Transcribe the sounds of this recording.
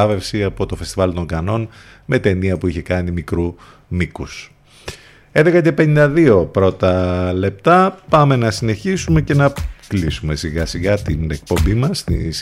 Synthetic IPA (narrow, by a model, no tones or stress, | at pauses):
ɐve̞fsiɐpo̞t̪o̞fest̪ivɐlt̪o̞ŋɡɐno̞n | me̞t̪e̞niɐpuiçe̞kɐnimikɾu | mikus | eðe̞kɐce̞pe̞nind̪ɐðio̞pɾo̞t̪ɐle̞p̚t̪ɐpɐme̞nɐsine̞çisume̞ce̞nɐklisume̞siɣɐsiɣɐt̪ine̞k̚po̞mbimɐst̪ḭs